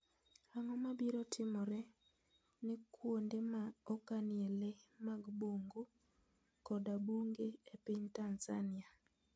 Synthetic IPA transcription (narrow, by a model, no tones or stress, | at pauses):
aŋɔmabiɾɔtʰɪmɔɾɛ | nekʰwondemaɔkanielemaɡboŋɡo | kɔdabuŋɡeepɪɲtanza̰nia